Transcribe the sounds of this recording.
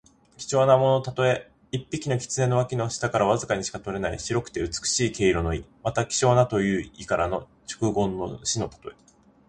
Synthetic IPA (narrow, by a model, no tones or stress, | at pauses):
kʲi̥t͡ɕo̞ːnamo̞no̞t̪at̪o̞e̞ | ipʲːikʲino̞kʲi̥t͡sɨne̞noakʲino̞ɕi̥t̪akaɾaβazɨkaɲ̟iɕi̥kat̪o̞ɾe̞naiɕiɾo̞kɯ̟̥t̪e̞ɯ̟t͡sɨ̥kɯ̟̥ɕiːke̞iɾo̞no̞imat̪akʲi̥t͡ɕo̞ːnat̪o̞jɯ̟ːikaɾano̞ | t͡ɕo̥kɯ̟ɡõ̞nːo̞̰ɕino̞t̪ḁt̪o̞e̞